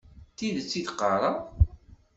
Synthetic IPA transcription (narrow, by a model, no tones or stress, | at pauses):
t̪iðt͡sːid̪qɑɾˤɑ